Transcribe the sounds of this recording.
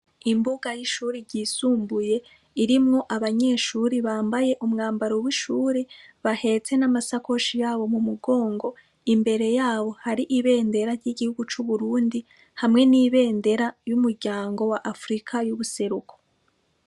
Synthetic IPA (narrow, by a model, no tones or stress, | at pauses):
imbuɡajiʃuːɾiɾɟiːsuːmbuje̞ | iɾimŋo̞ʔaβaɲe̞ːʃuːɾiβaːmbaje̞ʔumŋaːmbaɾowiʃuːɾeβahe̞t͡se̞namasako̞ʃijaːβo̞mumuɡo̞ːŋɡo̞ | imbe̞ɾe̞jaːβo̞haɾiʔiβe̞ːnde̞ɾaɾɟiɡihuɡut͡ʃuβuɾuːndi | hamŋe̞niːβe̞ːnde̞ɾajumuɾɟaːŋɡo̞waʔafɾikʰajuβuse̞ɾukʰo̥